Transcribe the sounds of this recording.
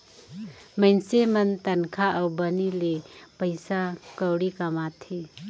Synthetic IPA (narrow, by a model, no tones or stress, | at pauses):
məjnsemɐnt̪ɐnkʰaʔawbənilepəjsakəwɽikɐmat̪ʰe